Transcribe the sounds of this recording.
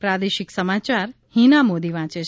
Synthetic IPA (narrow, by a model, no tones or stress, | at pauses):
pɾad̪eʃɪksəmat͡ʃaɾ | hinamod̪iʋãt͡ʃe